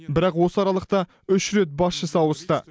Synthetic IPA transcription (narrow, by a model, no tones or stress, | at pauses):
bɪɾɑqwo̞səɑɾɑlˠəq̚t̪ɑ | ʏʃɾet̪̚bɑsʃəsɑwəst̪ə